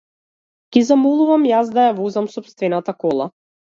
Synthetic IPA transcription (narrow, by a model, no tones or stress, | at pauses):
ɡ̥ʲizamɔlˠuvamjazd̪ajavɔzamsɔpst̪vɛnat̪akɔlˠa̰